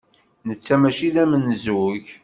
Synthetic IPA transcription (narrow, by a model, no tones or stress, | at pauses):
nət͡sːæmæʃiðæmənzuʝ